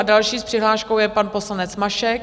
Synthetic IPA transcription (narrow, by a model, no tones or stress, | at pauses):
adalʃiːspr̥ɪɦlaːʃkowjɛpanpo̞slanɛt͡smaʃɛk